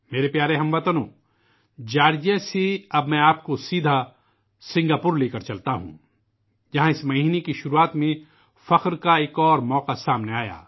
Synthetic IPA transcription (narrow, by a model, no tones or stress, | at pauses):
meːɾepjaːɾeɦɐ̃mʋɐt̪ənõː | d͡ʒaːɾd͡ʒaseɐbmɛ̃aːpkosiːd̪ʱa | sɪ̃ŋɡaːpʊːɾleːkɐɾt͡ʃɐlt̪aɦṵ̃ː | d͡ʒɐɦãɪsmɐɦiːnekiʃʊɾuaːt̪mẽ | fɐqɾkaeːkɔːɾmɔːqasaːmneaːja̰ː